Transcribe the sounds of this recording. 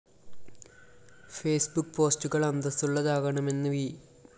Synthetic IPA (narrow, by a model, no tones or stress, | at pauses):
feːsbukːpo̞ːstuɣɐɭɐnd̪ɐsuɭːɐðaːɣɐɳɐme̞nːɨʋi